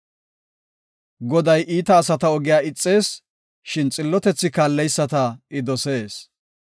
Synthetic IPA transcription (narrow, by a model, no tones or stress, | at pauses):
ɡɔd̪ɐjʔiːt̪ɐːsɐt̪ɐɔɡɪjaːɪt͡sʼːe̞ːs | ʃɪnt͡sʼɪlːɔt̪ɛt͡sːɪkaːlːɛjsːɐt̪ɐɪd̪ɔse̞ːs